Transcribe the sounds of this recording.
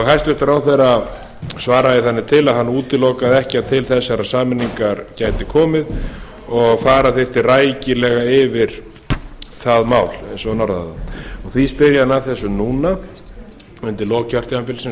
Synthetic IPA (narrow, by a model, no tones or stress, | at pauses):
ɣɦajst̪ʏht̪ʏɾawθɛɾa | svaːɾaðɪθanːɪt̪ʰɪlaðhanːuːt̪ɪlɔkaðɛhcɪaðt̪ʰɪlθɛsːaɾaðsaːmɪnːiŋkaɾcajt̪ɪkʰɔːmɪð | ɔɣfaːɾaθɪft̪ɪraːjcɪlɛɣaɪvɪɾ̥ | θaðmaːwlɛnsɔnɔɾða̰ðaɔɣθispɪɾjaðnaðθɛsːʏnuːna | ʏnt̪ɪlɔːɣcaœr̥t̪jaanpɪlsɛ